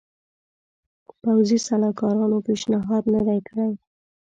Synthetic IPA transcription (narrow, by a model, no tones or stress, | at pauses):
pawzisalɑkɑɾɑnopeʃnɪɦɑd̪nəd̪ajkəɽaj